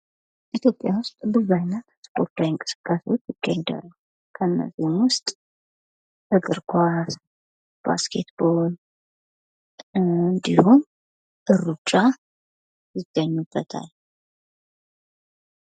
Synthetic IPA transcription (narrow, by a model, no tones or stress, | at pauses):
ʔit̪ʰjo̞pʼːjawʊst̪ʼbɨzajnːət̪spʰo̞ɾt̪ʰawŋkʼɨ̥sɨ̥kʼːaswot͡ʃːjɪɡ̥ːaɲd̪ə̰rːəh | kʰəɨnːə̰zihmwʊst̪ʼ | ɨɡɨɾkʰʷas | b̥a̰skʰe̞t̪bol | ɨnd̪ihum | ʔɨrːut͡ʃʼa | jɪɡ̥əɲːubːət̪ʰa̰l